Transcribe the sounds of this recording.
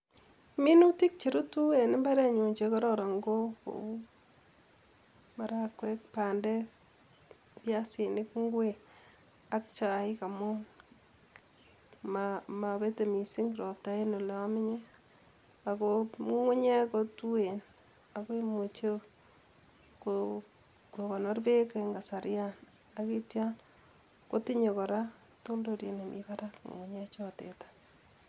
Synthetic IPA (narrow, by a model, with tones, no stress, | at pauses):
mi˦nu˦ti˦k̚t͡ʃi˨ɾu˦tu˦e˨nɪ˦mba˦ɾe˦ɲu˨ɲt͡ʃe˧kɔ˦ɾɔ˨ɾa˨ŋɡo˦ko̰˨wu˦ | ma˨ɾa˦kwe˦k̚pa˨ndɛ˦ | pja˦si˨nɪ˦kŋɡwe˨ | a˦k̚t͡ʃa˨ɪ˦ka˨mo˦n | mama˨be˦te˨mi˨si˦ŋɡɾo˨p̚ta˨e˦no˨le˨a˦mɪ˦ɲe˦ | a˨kou˦ŋu˦ɲe˦kotu˦e˨n | a˨ko˦i˦mo˨t͡ʃe˦ | ko | koka˨nɔ˦rbe˦ke˦ŋɡa˨sa˨ɾjan | akitja˦n | ko˦ti˦ɲe˨kɔ˨ɾa˦ | to˦ldoɾje˨ne˨mʔḭba˦ɾakŋo̰˨ŋu˨ɲa˦t͡ʃɔtḛ˨tḁ